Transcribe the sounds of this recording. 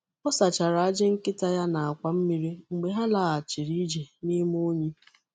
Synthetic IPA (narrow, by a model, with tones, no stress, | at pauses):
ɔ˦sa˨t͡ʃa˨ɾa˨a˦d͡ʒɪ˦ŋ̩˦kɪ˦ta˦ja˦na˨a˨kʷa˨m̩˦mi˦ɾi˦ŋ͡m̩˨ɡ͡be˨ɦa˦la˨a˨t͡ʃi˨ɾi˦d͡ʒe˨ni˦m˦o˦ɲi˦